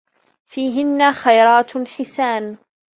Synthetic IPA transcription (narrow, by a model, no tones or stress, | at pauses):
fiːɦɪnːaxajɾˤɑːt̪ħɪsaːn